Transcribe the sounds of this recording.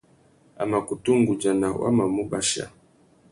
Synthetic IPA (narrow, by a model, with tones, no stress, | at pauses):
a̰˨ma˨ku˨tu˦ŋ˦ɡu˨d͡ʒa˨na˨wa̰˦ma˨mu˦ba˦ʃa̰˨